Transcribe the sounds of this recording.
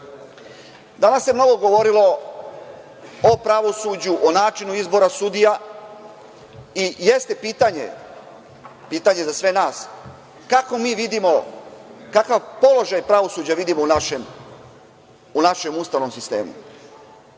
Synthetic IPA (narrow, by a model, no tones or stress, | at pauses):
d̪anasjemno̞ɡo̞ɡo̞ʋo̞ɾilo̞ | opɾaʋo̞suːd͡ʑuʔonaːt͡ʃinuizbo̞ɾasud̪ija | ijest̪e̞piːt̪aɲe̞̰ | piːt̪aɲe̞zasʋe̞naːs | kako̞miːʋid̪imo̞ | kakaʋpo̞lo̞ʒajpɾaʋo̞suːd͡ʑaʋid̪imo̞unaʃem | unaʃe̞must̪aʋno̞msist̪e̞ːmṵ